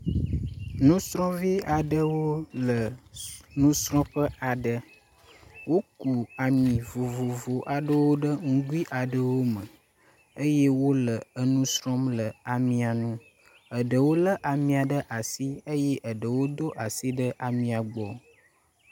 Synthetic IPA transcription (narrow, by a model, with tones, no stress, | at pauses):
nũ˦sɾɔ̃˦vi˦a˨ɖə˦wo˦lə˨ | nũ˦sɾɔ̃˦ɸə˦ʔa˨ɖə˦ | wo˦ku˨a˨mĩ˨vo˨vo˨vo˨ʔa˨ɖə˦wo˦ɖə˦ŋũ˦ɡu˦i˦ʔa˨ɖə˦wo˦mə̃˨ | ə˦je˦wo˦lə˨ə˨nũ˦sɾɔ̃˦mlə˨a˨mĩ˨a˨nũ˦ | ə˨ɖə˨wo˦lə˦ʔa˨mĩ˨a˨ɖə˦ʔa˨si˦ə˦jɛ˦ʔə˨ɖə˨wo˦d̪o˦ʔa˨si˦ɖə˦ʔa˨mĩ˨a˨ɡ͡bɔ˨